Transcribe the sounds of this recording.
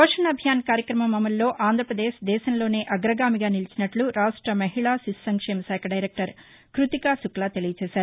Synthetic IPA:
poːʂɐɳɐbʱjaːnkaːɾjɐkɾɐmɐmɐmɐlːo̞ːʔaːnd̪ʱɾɐpɾɐd̪eːʃd̪ɛːʃɐnlo̞ːne̞ːʔɐɡɾɐɡaːmiɡaːnilit͡ʃinɐʈluɾaːʂʈɾɐmɐɦiɭaːsissɐŋkʂɛːmɐʃɛːkʰɐɖɐjɾek̚ʈɐɾ | kɾut̪ikaːsuklaːt̪elijɐt͡ʃɛːʃaːɾu

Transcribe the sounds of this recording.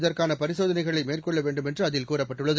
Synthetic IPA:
ðɐrkaːnɐpɐɾɪsoːðɐnɐɪɣɐɭɐɪmeːrkɔɭːɐʋeːɳɖɯmɛndrɯɐðɪlkuːrɐpːɐʈːɯɭːɐð

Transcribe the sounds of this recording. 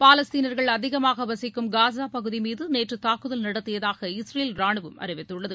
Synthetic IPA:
paːlɐst̪iːnɐɾɣɐɭɐðɪɣɐmaːɣɐʋɐsɪkːɯmɡaːsaːpɐɣɯðimiːðɯneːʈrɯt̪aːkɯðɐlnɐɽɐt̪ːɪjɐðaːɣɐɪsɾejlɾaːɳɯʋɯmɐ̰rɪʋɐɪt̪ːɯɭːɐðɯ

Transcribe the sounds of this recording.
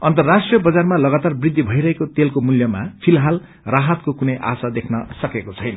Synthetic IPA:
ʌnt̪ʌrːasʈrijʌbʌd͡zarmalʌɡat̪arbrid̪ʱːibʱʌjɾʌɦekot̪elkomuljʌma̰pʰilɦal | raɦʌt̪̚kokunʌjʔa̰sad̪ekʰnʌsʌkekot͡sʰʌjnʌ

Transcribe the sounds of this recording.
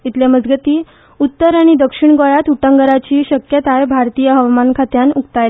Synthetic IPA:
it̪ljaməd͡zɡət̪iː | ut̪ːəɾaɽ̃id̪əkʂiɳɡojat̪uʈəŋɡəɾat͡ɕiːɕəkjət̪ajbʱaɾt̪ijəɦəʋmankʰat̪janukt̪ajl

